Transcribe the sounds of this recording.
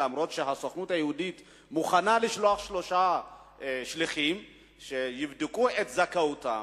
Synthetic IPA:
amɾo̞tʃeɦasoχnuthajehudit | muχanaliʃloaχʃlo̞ʃa | ʃliχim | ʃejivd̪ikuet̪zakauta̰

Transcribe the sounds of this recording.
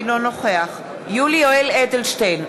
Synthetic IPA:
lonoχeaχ | julioeledelʃtejn

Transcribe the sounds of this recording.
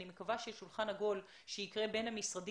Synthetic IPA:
ime̞kavaʃeʃulχanaɡo̞l | ʃejikʁe̞be̞nhamisʁad

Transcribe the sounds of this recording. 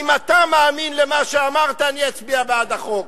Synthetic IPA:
imat̪amaːminlemaʃeamaʁt̪aːniat͡sbiabead̪aχo̞k

